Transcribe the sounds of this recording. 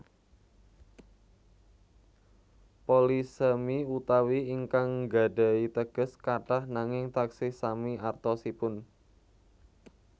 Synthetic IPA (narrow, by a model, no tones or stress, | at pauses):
polisəmiut̪awiːŋkaŋɡa̤ɖ̥a̤it̪əɡ̥ə̤skaʈahnaŋɪŋt̪aksɪsamiart̪ɔsipʊn